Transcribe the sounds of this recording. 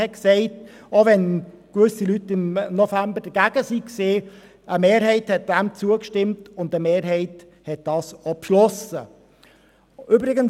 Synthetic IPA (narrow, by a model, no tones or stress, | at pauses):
hɛksɛɪt | oʋɛn | kʋʏsilytːɪmnɔfæmbəd̥əɡ̥æɡ̥əsikseː | ʔəmeːɾɦɛɪthɛt̚d̥æmt͡suəkʃtɪmtʊndəmeːɾɦɛɪt | hɛt̚d̥ɑːsopʃlɔsə | ʔybɾɪɡən